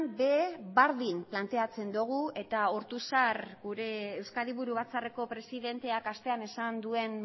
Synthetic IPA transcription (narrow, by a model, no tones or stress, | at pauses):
mbe̞βaɾðimplant̪e̞at͡se̞nd̪uɣ̞ue̞t̪aoɾt̪usarɡuɾe̞ːwskaliβuɾuβ̞at͡sare̞ko̞pɾe̞siðe̞nt̪e̞akast̪e̞ane̞sand̪ue̞n